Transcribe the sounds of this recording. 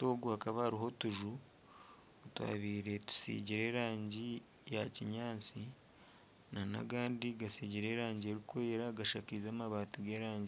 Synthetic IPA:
to̞ːɡuhakaβahaɾiɦo̞tuʒu | otwa̰ːβiːɾe̞tu̥sḭːɟiɾe̞ːɾaːɲɟi | jaciɲaːt͡si | nana̰ɡaːndiɡasiɟiɾe̞ːɾaːɲɟieɾikweːɾaɡaʃaːciizaːmaβaːtiɡe̞ːɾaːɲɟi

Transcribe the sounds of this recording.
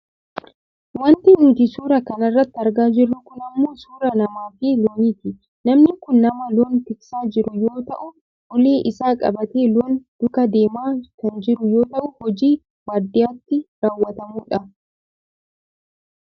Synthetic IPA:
wɐnt̪ɪnuːt̪isuːɾɐkɐnɐrːɐt̪ːɪɐɾɡaːd͡ʒɪrːʊkʊnɐmːo̞ːsuːɾɐnɐmaːfiːloːniːt̪ɪ | nɐmnɪkʊnːɐmɐloːnt̪ɪksaːd͡ʒɪɾʊjo̞ːt̪ɐʔʊ | ʔɔleːʔɪsaːkʼɐ̰bɐt̪e̞ːloːnd̪̥ʊkɐd̪e̞ːmaːkɐnd͡ʒɪɾʊjo̞ːt̪ɐʔʊhɔd͡ʒiː | waːd̪ːɪjaːt̪ːɪɾaːwːɐt̪ɐmuːᶑɐ

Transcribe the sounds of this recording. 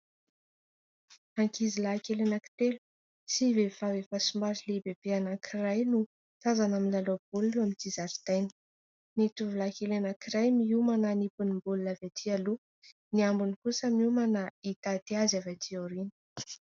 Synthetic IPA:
aŋkizilakelenaki̥t̪elu̥ | sivevawefasumbaɾilebebeanakʰirajnu | t̪azanaminlalobuliamint̪izaɾt̪ajnə̥ | nit̪uvulakelenakiɾajmiumananipunimbululavat̪ʰialu | niambunikusəmumanait̪at̪iazavat̪ʰiaɾini̥

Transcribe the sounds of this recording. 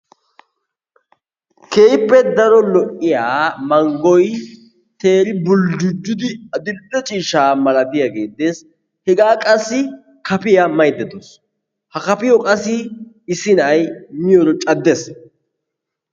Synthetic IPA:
ke̞ːjpːɛd̪ɐɾɔlɔʔɪjaːmɐŋɡɔj | t̪e̞ːɾɪbʊld͡ʒʊd͡ʒːʊd̪ɪɐd̪ɪd̪ːɛt͡ʃʼiːʃaːmɐlɐd̪ɪjaɡe̞ːd̪es | hɛɡaːkʼɐsːɪ | kɐpɪjɐmɐjd̪ɛd̪os | hɐkɐpɪjɔkʼɐsːɪ | ɪsɪnɐjmɪjɔɾɔt͡ʃʼɐd̪ːes

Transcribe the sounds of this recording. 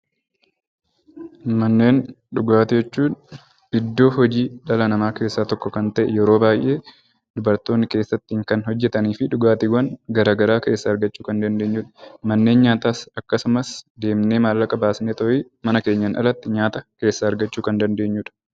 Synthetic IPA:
mɐnːe̞ːn | ᶑʊɡaːt̪ɪd͡ʒɛt͡ʃːuːn | ɪd̪ːo̞ːhɔd͡ʒiːᶑɐlɐnɐmaːke̞ːsːaːt̪ɔkːɔkɐnt̪ɐʔɛjɛɾo̞ːbaːjʔe̞ː | d̪ʊbɐɾt̪o̞ːnːɪke̞ːsːɐt̪ːɪŋkɐnhɔd͡ʒːɛt̪ɐniːfɪᶑʊɡaːt̪ɪɡɐnɡɐɾaːɡɐɾaːke̞ːsːɐɐɾɡɐt͡ʃːuːkɐnd̪ɐnd̪eːɲːuːᶑɐ̥mɐnːe̞ːnɲaːt̪aːsɐkːɐsʊmɐsd̪e̞ːmne̞ːmaːlːɐkʼɐbaːsneːt̪ɔʔi | mɐnɐke̞ːɲːɐnʔɐ̰lɐt̪ːɪɲaːt̪ɐke̞ːsːɐɐɾɡɐt͡ʃːuːkɐnd̪ɐnd̪e̞ːɲːuːᶑɐ̥

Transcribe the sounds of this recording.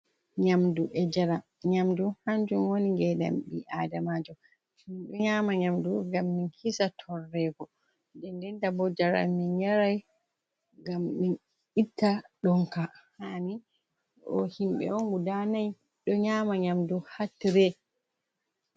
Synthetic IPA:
ɲamduʔɛd͡ʒaɾa | ɲamduhaɲd͡ʒumwoniɡɛda̰mbiʔaːdamaːd͡ʒɔ | himɓɛɲamaɲamduŋɡamːinkisatʰɔrːɛɡɔ | dɛndɛndabɔd͡ʒaɾa̰minɲaɾaj | ɡamːin | itʰːaɗɔŋkahani | ʔɔ̰himɓɛ̰ɔŋɡudanaj | ɗɔɲaːmaɲamduhatɾɛ

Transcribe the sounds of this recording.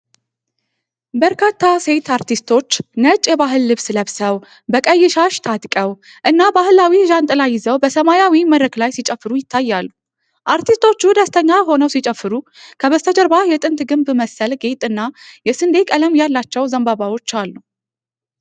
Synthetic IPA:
bəɾkʰat̪ʰːase̞t̪ʰaɾt̪ʰist̪ʰo̞t͡ʃːnət͡ʃʼjɛβaɦɨlːɨβsləβsəw | bəkʼəjːɛʃaʃt̪ʰat̪kʼəw | ʔɨnːabahɨlawiʒant̪ʼɨlajːɪzəwbəsəmajawiməɾɾəklajsit͡ʃʼəfːɨɾujɪt̪ʰːajːalːu | ʔaɾt̪ʰist̪ʰo̞t͡ʃːud̪əst̪ʰəɲːajɦo̞nəwsit͡ʃʼɛfːɨɾukʰəβəst̪ʰəd͡ʒəɾbajɛt̪ʼɨnt̪ɡɨmbməsəlɡe̞t̪ʼɨnːajɛsɨnd̪e̞kʼələmjalːat͡ʃːɛwzəmbaβawo̞t͡ʃːalːu

